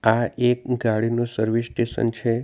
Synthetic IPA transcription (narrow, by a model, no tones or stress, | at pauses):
aek̚ɡaɽinũsəɾʋisʈeʃə̰nt͡ʃʰe